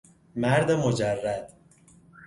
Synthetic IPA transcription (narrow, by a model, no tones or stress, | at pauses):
mæɾd̪emod͡ʒærːæd̪̥